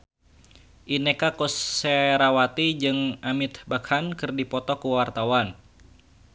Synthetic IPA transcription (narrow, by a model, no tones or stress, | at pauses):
ʔinekakusːeɾawat̪id͡ʒɨŋʔamit̪bakhankɨrdipɔt̪ɔkuwart̪awan